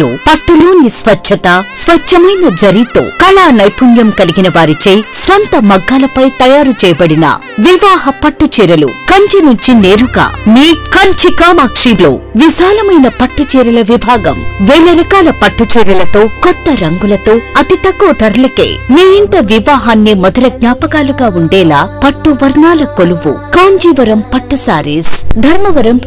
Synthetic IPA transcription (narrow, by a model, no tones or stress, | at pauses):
upɐʈːuloːnisʋɐt͡ʃt͡ʃʰɐt̪ɐsʋɐt͡ʃt͡ʃʰːɐmɐjnɐd͡ʒɐɾit̪o̰ːkɐlaːnɐjpunjɐmkɐliɡinɐʋaːɾit͡ʃejsʋɐnt̪ɐmɐɡːaːlɐpɐjt̪ɐjaːɾut͡ʃɛːjɐbɐɽinɐ̰ | ʋiʋaːɦɐpɐʈːut͡ʃiːɾɐlṵkɐɲt͡ʃɐnuɲt͡ʃineːɾuɡa̰ːniːkɐɲt͡ʃikaːmaːkʂiːlo̰ːʋiʃaːlɐmɐjnɐpɐʈːut͡ʃiːɾɐlɐʋibʱaːɡɐ̰mʋeːlɐɾɐkaːlɐpɐʈːut͡ʃiːɾɐlɐt̪o̞ːkɔt̪ːɐɾɐŋɡulɐt̪o̞ːɐt̪it̪ɐkːoɐt̪ɐɾɐlɐkḛːneːjiɳʈɐʋiʋaːɦaːnːimɐd̪ɐɾɐɡ̚ɲaːpɐkaːluɡaːuɳɖɛːlaːpɐʈːuʋɐɾnaːlɐkoluʋṵkaːɲd͡ʒiːʋɐɾɐmpɐʈːusaːɾisd̪ʱɐɾmɐʋɐɾɐm